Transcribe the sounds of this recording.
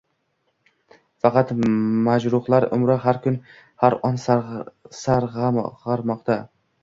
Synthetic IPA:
fɑqʰɑt̪mad͡ʒɾʊχlˠaɾʊ̰mɾaɦaɾkʰʊn | haɾɒns | saɾʁʁɑɾmɒqt̪ʰa

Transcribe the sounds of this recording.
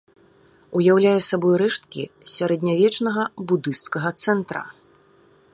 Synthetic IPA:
ujawlʲajɛsabɔjɾɛʂt̪kʲḭsʲaɾɛd̪ʲnʲavʲɛt͡ʂnɐɣɐbud̪ɨst̪skɐɣɐt̪sɛnt̪ɾɐ̰

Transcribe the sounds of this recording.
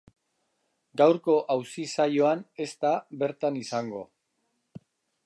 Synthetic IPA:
ɡawɾko̞ʔawsisajo̞ane̞st̪aβe̞ɾt̪anisaŋɡo̞̰

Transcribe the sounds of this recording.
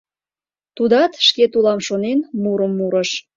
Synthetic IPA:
t̪ud̪ɑt̪ʃket̪ulɑmʃonenmuɾəmːuɾəʃ

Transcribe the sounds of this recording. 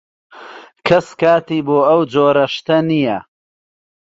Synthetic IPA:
kʰɐskaːt̪iːboːɐwd͡ʒoːɾɐʃt̪ɐnijɐ

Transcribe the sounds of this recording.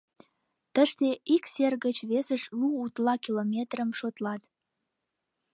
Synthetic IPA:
t̪əʃt̪eikserɣət͡ɕβesəʃluːt̪lɑkilomʲet̪rəmʃot̪lɑt̪

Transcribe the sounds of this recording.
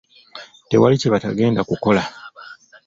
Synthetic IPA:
te̞̰waliceβataɡe̞ːndakuko̞la

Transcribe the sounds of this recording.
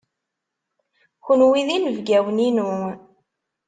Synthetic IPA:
xənwiðinəvɡæwninu

